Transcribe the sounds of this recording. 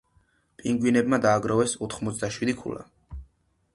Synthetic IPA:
pʼiŋɡwinɛbmad̪aːɡɾɔvɛsɔt̪ʰχmɔt̪sʰd̪aʃwid̪ikʰṵla̰

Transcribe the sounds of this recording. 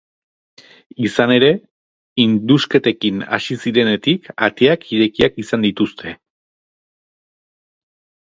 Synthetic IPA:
isane̞ɾe̞ | ind̪uske̞t̪e̞kina̰sisiɾe̞ne̞t̪ikat̪eakiɾe̞kiakisand̪it̪ust̪ʰe̞

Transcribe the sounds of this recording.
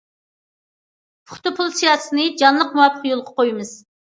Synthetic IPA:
pʰʊ̥χt̪ɨpʰʊlˠsijɑsɨnɨd͡ʒɑnlˠəq̚muwɑpʰːəqjolˠʁɑqʰojmɨz̥

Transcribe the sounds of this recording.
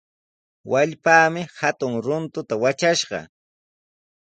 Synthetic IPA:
waʎpaːmɪhat̪ʊŋɾʊnt̪ʊt̪awat͡ʃaʃɢɑ̰

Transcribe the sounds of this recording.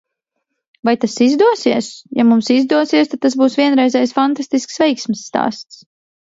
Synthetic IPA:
vajt̪asizd̪uɔsiɛsjamumsizd̪uɔsiɛst̪ad̪t̪ːasbuːsvʲiɛnɾɛjzɛjsfant̪ast̪isksvɛjksmisːt̪a̰ːst̪s

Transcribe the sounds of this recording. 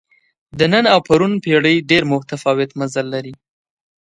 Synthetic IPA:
d̪ənənawpaɾunpeɽəjɖeɾmʊht̪afɑwɪt̪mazalːaɾi

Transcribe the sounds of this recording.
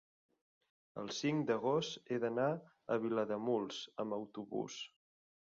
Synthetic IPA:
ə̰lˠsiŋd̪əɣ̞ost̪eðəna | əβiləðəmulˠzəmbəwt̪uβṵs

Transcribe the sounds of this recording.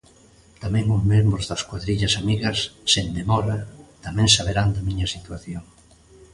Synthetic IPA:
t̪amɛ̃ŋʊzmẽmbɾʊzðɐskwaðɾiʎɐsamiɣɐsːend̪emɔɾɐt̪amɛ̃ŋsaβ̞eɾand̪ɐmiɲɐsit̪waθjoŋ

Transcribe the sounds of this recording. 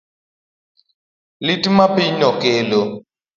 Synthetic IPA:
litʼimapiɲɔkɛːlɔ

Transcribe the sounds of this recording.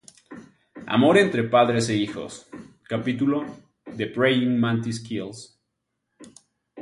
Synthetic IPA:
a̰mo̞ɾe̞nt̪ɾe̞paðɾe̞seixo̞̰s | kapit̪ulo | ðepɾejiŋmãnt̪iskils

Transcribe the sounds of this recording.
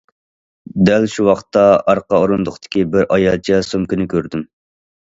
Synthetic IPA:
d̪ælʃuwɑχt̪ːɑɑɾqɑoɾund̪ʊχt̪ʰɪ̥kʲibɪɾʔɑjɑlˠt͡ʃʰɛsomkʲynɪkʲʰøɾd̪ym

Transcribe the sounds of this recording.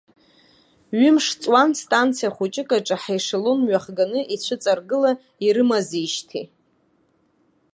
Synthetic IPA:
ɥʏmʂt͡sʼwanstʼant͡sʰijaχut͡ʃʼɪkʼaʈ͡ʂʼaħajʂalonɥaχɡanɨʔit͡ɕʷʰɨt͡sʼarɡɨla | iɾɨmaziʃtʰḭ

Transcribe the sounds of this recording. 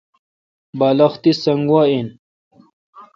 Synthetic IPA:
baːlɐxt̪isɐŋɡwaːin

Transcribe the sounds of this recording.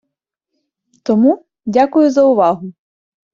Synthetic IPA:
t̪ɔmu | dʲakʊjʊzɐʊʋɑɦʊ

